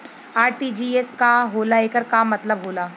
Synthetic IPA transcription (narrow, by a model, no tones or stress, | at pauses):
aːɾʈiːd͡ʒiːeskaɦoːlaeːkəɾkamːɐt̪ləbɦoːlaː